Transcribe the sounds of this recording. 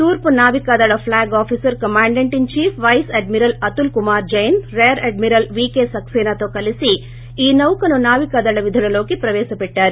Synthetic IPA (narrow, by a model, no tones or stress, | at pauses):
t̪uːɾpunaːʋikaːd̪ɐɭɐpʰlaːɡaːpʰisɐɾkɐmaːɳɖɐɳʈint͡ʃiːpʰʋɐjseɖmiɾɐlɐt̪ulkumaːɾd͡ʒɐjɐnɾeːɾeɖmiɾɐlʋiːkeːsɐksɛːnat̪o̞ːkɐlisi | iːnɐwkɐnunaːʋikaːd̪ɐɭɐʋid̪ʱɐlɐlo̞ːkipɾɐʋɛːʃɐpɛʈːaːɾu